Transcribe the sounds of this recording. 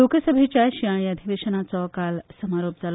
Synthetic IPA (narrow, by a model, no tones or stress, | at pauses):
okəsəbʱet͡ɕaʃiaɳjɐd̪ʱiʋeːʃənat͡sɔkalsəmaɾoːp̚d͡zal